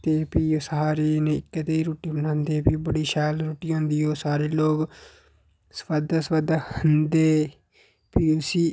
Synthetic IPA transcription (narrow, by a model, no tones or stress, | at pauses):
t̪eːpiːoːsaaːɾeːneːɪkːət̪eiːɾoːʈiːbənãːnd̪eːpiːbəɽiːʃaːlɾoːʈiːɦõːnd̪iːɦoːsaːɾeːloːɡ | spəd̪spəd̪hənd̪eː | piːosiː